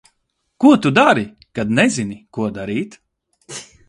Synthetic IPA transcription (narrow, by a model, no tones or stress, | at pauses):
kuɔt̪ud̪aɾi | kad̪nɛzinikuɔd̪aɾiːt̪